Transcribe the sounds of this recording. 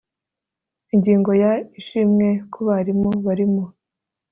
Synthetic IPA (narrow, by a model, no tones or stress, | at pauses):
iɲɟiːŋɡo̞jaiʃimŋe̞kʰuβaɾimoβaɾimo